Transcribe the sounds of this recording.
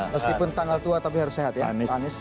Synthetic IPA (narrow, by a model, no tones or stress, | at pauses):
məskipʊnt̪aŋalt̪uat̪ap̬iɦaɾʊseɦat̪̚jananɪs